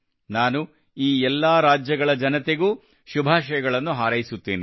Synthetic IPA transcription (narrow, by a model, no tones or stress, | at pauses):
naːnu | iːɛlːaɾaːd͡ʒjɐɡɐɭɐd͡ʒɐnɐt̪e̞ɡuː | ʃubʱaːʃɐjɐɡɐɭɐnːuɦaːɾɐjisut̪ːḭːni